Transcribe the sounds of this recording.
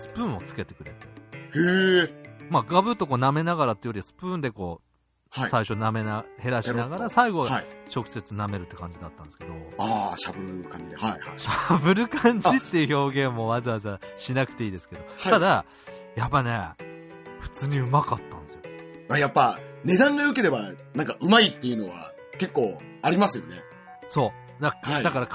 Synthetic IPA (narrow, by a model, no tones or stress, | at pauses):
sɨ̥pɯ̟̃ːo̞t͡sɨ̥ke̞t̪e̞kɯ̟ɾe̞t̪ee | maɡabɯ̟t̪ːo̞ko̞ːname̞naɡaɾat̪ːejoɾʲiβasɨ̥pɯ̟̃ːnd̪e̞ko̞ː | haisaiɕo̞name̞nahe̞ɾaɕiinaɡaɾasaiɡo̞aait͡ɕo̞kɯ̥se̞t͡sɨname̞ɾɯ̟t̪ːe̞kã̰ɲ̟d͡ʑid̪at̪ːã̰nd̪eske̞d̪o̞aɕabɯ̟ɾkãɲaaɕabɯ̟ɾɯ̟kʰãɲ̟d͡ʑit̪ːe̞jɯ̟ço̞ːɡẽ̞mːo̞βazɨβazaɕinakɯ̟t̪e̞iːd̪esɨ̥ke̞d̪o̞aad̪a | japːane̞ | ɸɯ̟̥t͡sɨːɲ̟iɯ̟makat̪ːãnd̪esɨjoajapːane̞d̪ãŋɡaɯ̟ke̞ɾe̞banãŋkaʔɯ̟mait̪ːe̞jɯ̟no̞βa̰ | ke̞kːo̞ː | aɾʲimasɨjo̞̰ne | so̞ː | d̪ahaid̪akaɾak